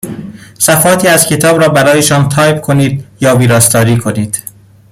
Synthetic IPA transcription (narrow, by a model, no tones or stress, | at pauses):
sæfɒːt̪ʰiːæz̥cʰe̞t̪ʰɒːbɾɒːbæɾɒːjeʃɒːmt̪ʰɒːjbkʰoniːd̪̚jɒːviːɾɒːst̪ɒːɾiːkʰo̞niːd̪̥